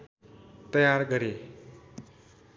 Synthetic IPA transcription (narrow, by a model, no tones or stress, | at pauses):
t̪ʌjaɾɡʌɾe